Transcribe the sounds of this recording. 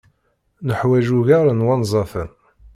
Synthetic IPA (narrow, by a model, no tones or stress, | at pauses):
nəħwæʒuʝaɾənwɑnzˤɑfən